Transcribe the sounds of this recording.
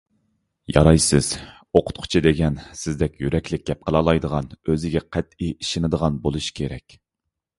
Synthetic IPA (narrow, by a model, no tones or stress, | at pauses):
jɑ̰ɾɑjsɨz̥ | oqʰʊ̥t̪̚qʰʊ̥t͡ʃʰid̪eɡʲɛnsɪzd̪ɛkʲjyɾɛkʲlɪk̚ʲɡʲɛp̚qʰəlˠɑːlˠɑjd̪əʁɑnøzɪɡʲɛqʰæt̪iiʃɪnɨd̪əʁɑnbolˠuʃkʲʰeɾɛ̰kʲ